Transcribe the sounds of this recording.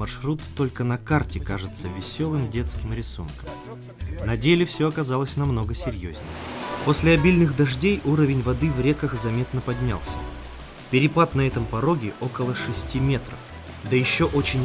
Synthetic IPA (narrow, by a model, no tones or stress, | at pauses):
mɐrʂɾut̪ːo̞lʲkənɐkartʲɪkaʐɨt̪səvʲɪsʲo̞lˠɨmdʲe̞t̪skʲɪmɾʲɪsṵnkəm | nɐdʲelʲɪfsʲoɐkɐzalˠəsʲnɐmno̞ɡəsʲɪɾʲjozʲnʲɪ̰jpo̞sʲlʲɪɐbʲilʲnɨxd̪ɐʐdʲejʔuɾəvʲɪnʲvɐd̪ɨvɾʲe̞kəxzɐmʲet̪nəpɐdʲnʲa̰lˠsʲə̥ | pʲɪɾʲɪp̪ˠat̪nɐɛt̪əmpɐɾo̞ɡʲɪʔo̞kəlˠəʂɨsʲtʲimʲe̞t̪ɾə̰f | d̪əjɪɕːoʔo̞t͡ɕɪnʲ